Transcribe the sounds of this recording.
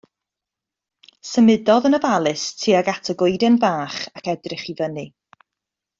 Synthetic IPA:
səmɪdɔðənəvalˠɨstʰiːaɡatʰəɡʊɨdɛnvaːχakɛdrɪχivənɨ

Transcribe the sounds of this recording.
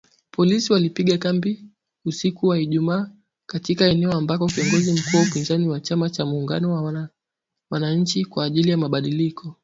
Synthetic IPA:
pʰɔlisiwalipiɠakambi | usikuwahiʄumaː | katikaɛnɛɔambakɔkiɔŋɡɔzim̩kuːwaupinzaniwat͡ʃamat͡ʃamuːŋɡa̰nɔwa | wanaɲ̩t͡ʃikwaːʄilijamaɓaɗilikʰɔ

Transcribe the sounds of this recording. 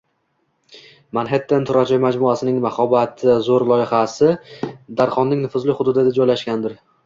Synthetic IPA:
manɦet̪ʰːent̪ʰʊɾad͡ʒɒjmad͡ʒmʊasɪnɪŋmaχɒbat̪ʰɪzoɾlˠɒjɪχasɪd̪aɾχɒnːɪŋnɪfʊzlɪhʊd̪ʊd̪ɪd̪ad͡ʒɒjlaʃɡʲand̪ɪɾ

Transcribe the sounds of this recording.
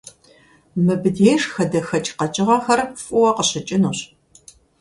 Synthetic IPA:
mɨbɨdeːjʂxɐdɐxɐt͡ʃʼqɐt͡ʃʼɪʁɐxɐrfʼʊwɐqəɕɪt͡ʃʼɪnuːɕ

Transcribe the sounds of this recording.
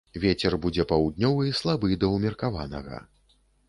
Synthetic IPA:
vʲet͡sʲɛrbud͡zʲɛpɐwd̪̚ʲnʲɔvɨislˠabɨd̪ɐwmʲirkava̰nɐ̰ɣɐ̰

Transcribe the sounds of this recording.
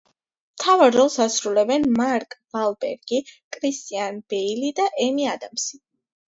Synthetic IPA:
mt̪ʰavaɾːɔlˠsasɾulɛbɛnmaɾkʼvalˠbɛɾɡ̥ikʼɾist̪ʼianb̥ɛilid̪aʔɛmiad̪amsi

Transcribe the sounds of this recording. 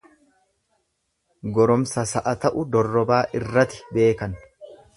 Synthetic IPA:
ɡɔɾɔmsɐsɐʔɐt̪ɐʔʊd̪ɔrːɔbaːʔɪrːɐt̪ɪ̥be̞ːkɐn

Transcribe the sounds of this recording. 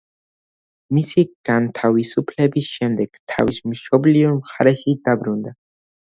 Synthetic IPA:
misiɡ̥ant̪ʰavisupʰlɛbisʃɛmd̪ɛɡ̥t̪ʰa̰vismʃɔbliɔɾmχaɾɛʃid̪abɾund̪a

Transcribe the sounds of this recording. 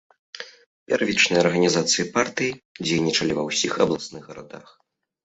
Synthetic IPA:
pʲɛ̰rvʲit͡ʂnɨjɐɐrɣɐnʲizat̪sɨjipart̪ɨjid͡zʲejnʲit͡ʂɐlʲivɐwsʲixɐblˠasnɨɣɣɐɾa̰d̪a̰x

